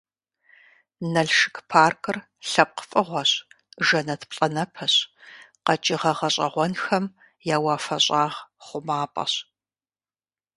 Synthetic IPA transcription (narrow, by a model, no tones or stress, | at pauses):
nɐɮʃɪkʰpʰaːrkʰɨr | ɬɐp̚qəfʼɨʁʷɔɕ | ʒɐnɐtʰpɬʼɐnɐpʰɐɕqɐt͡ʃʼɪʁɐʁɐɕʼɐ̰ʁʷɔnxɐm | jaːwaːfɐɕʼaːʁχʷʊmaːpʼɐ̰ɕ